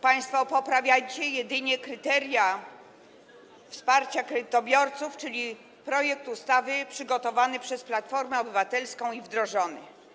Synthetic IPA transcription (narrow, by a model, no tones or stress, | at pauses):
paj̃st̪fɔpɔpɾavʲjat͡ɕɛjɛd̪ɘɲɛkɾɘt̪ɛɾja | fspaɾt͡ɕakɾɛd̪ɘt̪ɔbʲjɔɾt̪suft͡ʂɘlʲi | pɾɔjɛk̚t̪ust̪avɘpʂɘɡɔt̪ɔvanɘpʂɛsplat̪fɔɾmɛɔbɘvat̪ɛlskɔ̃w̃ivd̪ɾɔʐɔnɘ̰